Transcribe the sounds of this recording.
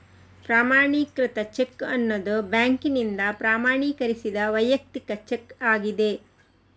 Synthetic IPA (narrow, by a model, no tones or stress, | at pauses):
pɾaːmaːɳikɾit̪ɐt͡ʃekːɐnːɐd̪ubjaːŋkinind̪ɐpɾaːmaːɳiːkɐɾisid̪ɐʋɐjɐk̚t̪ikɐt͡ʃekːaːɡid̪e̞